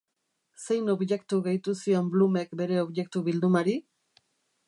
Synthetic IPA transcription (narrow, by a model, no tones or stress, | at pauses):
se̞jno̞βje̞kt̪uɣejt̪usio̞mblume̞kbe̞ɾe̞o̞βje̞k̚t̪uβild̪umaɾi